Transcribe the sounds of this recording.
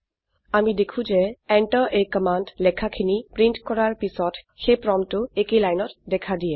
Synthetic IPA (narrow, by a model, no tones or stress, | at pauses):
amidekʰũzɛɛɳʈɔʔejkɔmandlɛkʰakʰinipɹiɳʈkɔɹaɹpisɔt | xepɹɔmtʊekelajnɔtdɛkʰadijɛ